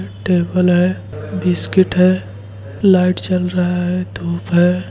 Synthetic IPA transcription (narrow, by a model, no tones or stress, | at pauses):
ʈeːbəlɦɛ | bɪskɪʈɦɛ | laɪʈt͡ʃəlɾəɦaɦɛd̪ʱuːpɦɛ